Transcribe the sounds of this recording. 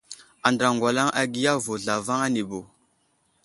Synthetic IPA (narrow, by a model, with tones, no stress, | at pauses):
a˨ndɾa˨ŋɡwa˨la˦ŋʔa˨ɡi˦ja˦vo˨ɮa˨va˦ŋa˦ni˨bo˨